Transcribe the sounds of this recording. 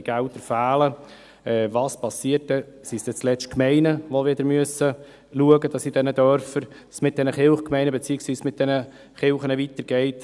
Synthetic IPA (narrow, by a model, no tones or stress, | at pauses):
ɡ̥æʊt̪əɾfæːlə | ɛːvɑːspɑsiət̚dɛ | sisd̥̪ɛt͡slɛt͡ʃt̚kmɛɪnəʋoʋɪd̪əɾmyəsə | luəɡəd̥ɑsid̥ɛnəd̪œɾfəɾ | smɪt̚d̥̪ɛnəχɪlχkmɛɪnəbet͡siːɪksʋiːsmɪt̪̚d̥ɛnə | χɪlχənəvit̪əɾɡ̥ɛɪt